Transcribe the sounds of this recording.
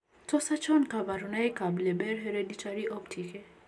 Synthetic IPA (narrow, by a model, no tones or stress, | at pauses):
tɔsat͡ʃɔnkabaɾunajkablɛbɛɾɦeɾeditʰaɾiʔɔptʰike